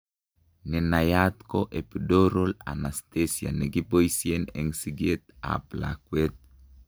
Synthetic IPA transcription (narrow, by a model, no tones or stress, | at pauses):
nenajat̪koʔepdoɾola̰nastesia̰neɡipojsienḛŋsiɡet̪a̰pla̰kwet̪̚